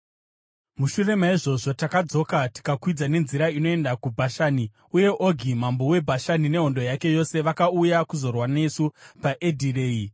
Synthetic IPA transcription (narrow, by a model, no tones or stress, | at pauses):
muʃure̞maiʐo̞ʐo̞takad͡zo̞kati̥kakwid͡zane̞nziɾaino̞e̞ndakubʱaʃaːni | uje̞ʔoɡʱimambo̞we̞bʱaʃanine̞ɦo̞ndo̞jake̞jo̞se̞ʋakaujakuzo̞rwane̞supaʔedʱire̞ːi